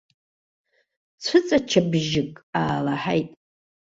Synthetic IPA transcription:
t͡sʷʰʊt͡sʼat͡ʃʰabʒɪkʼaːlaħajtʼ

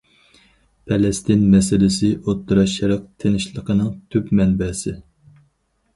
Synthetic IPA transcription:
pʰɛlɛst̪ɪnmɛsɪlɪsɪʔot̪ːɨɾɑʃɛɾɑq̚t̪ʰenɪʃlˠəqʰənɨŋt̪ʰypmɛnbɛːsɪ

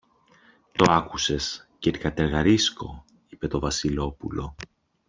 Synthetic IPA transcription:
t̪o̞ɐkuse̞scet̪i̥kɐt̪e̞ɾɣɐɾisko̞̰ | ipe̞t̪o̞vɐsilo̞pṵlo̞

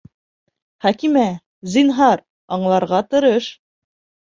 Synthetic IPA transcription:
χækimæ | zinɦɑɾ | ɑɴlˠɑɾʁɑt̪ɤ̆ɾɤʃ

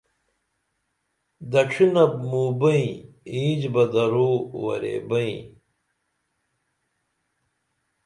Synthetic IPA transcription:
d̪ɐʈ͡ʂʰinɐb̚muːbɐĩ | ĩːd͡ʑbɐd̪ɐɾoːwɐ̰ɾḛːbɐḭ̃

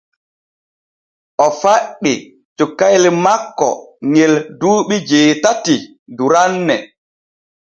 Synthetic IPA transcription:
ʔɔfaɗːi | t͡ʃukːajlmakːɔ̰ŋelduːɓid͡ʒeːtati | duɾanːɛ

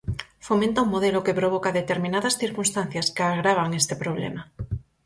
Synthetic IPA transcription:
fomẽnt̪auŋmoð̞elokepɾoβokaðet̪e̞ɾmĩnaðasθiɾkunst̪an̟θjaskeaɣ̞ɾaβ̞aŋest̪epɾoβ̞lḛma

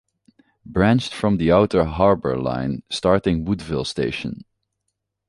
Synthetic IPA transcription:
bɹæ̃nt͡ʃtfɹʌ̃mðiaʊtə˞ɦɑɹbə̰˞lã̰ɪ̃nstɑɹtɪ̃ŋwʊdvɪlˠsteɪʃə̰̃n

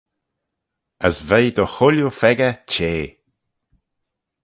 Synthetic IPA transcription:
əsvejd̪əxʊljufɛɡət͡ʃeː

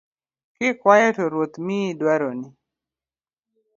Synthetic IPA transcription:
kɪkwajɛtoɾwot̪midwaɾonɪ

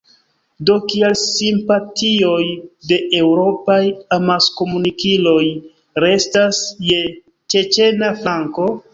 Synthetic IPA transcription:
do̞kielsimpatio̞jde̞ʔe̞wɾo̞pajamasko̞munikilo̞j | ɾe̞stasje̞ | t͡ʃe̞t͡ʃe̞naflaŋko̞

